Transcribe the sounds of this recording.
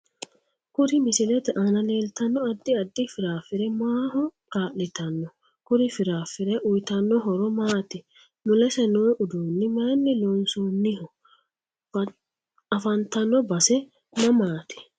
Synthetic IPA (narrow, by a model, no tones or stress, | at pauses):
kʊɾɪmɪsɪlɛt̪ɛʔanɐleːlt̪ɐnːɔɐd̪ːɪɐd̪ːɪfɪɾaːfːɪɾɛmaːhɔkaːʔːɪt̪ɐnːɔ | kʊɾɪfɪɾaːfɪɾɛʔʊjt̪ɐnːɔɦɔɾɔmaːt̪ɪ | mʊlɛsɛnoːʔʊd̪uːnːɪmaːnːɪloːnsuːnːɪhɔ | ɐfɐnt̪ɐnːɔbɐsɛ | nɐmaːt̪ɪ̥